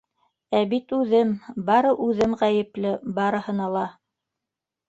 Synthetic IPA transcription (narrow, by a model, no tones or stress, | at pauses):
æβit̪ʉðɘmbɑɾɤʔʉðɘmʁæjɘ̆plɘbɑɾɤ̆hɤ̆nɑlˠɑ